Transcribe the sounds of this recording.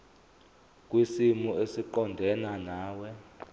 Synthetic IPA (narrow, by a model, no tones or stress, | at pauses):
k̬ʼwisimuesiǃɔndʱɛnanaːwɛ